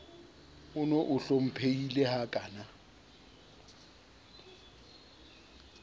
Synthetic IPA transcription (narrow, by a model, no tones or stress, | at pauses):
ʊnoʔʊɬom̩pʰeilehakʼaːna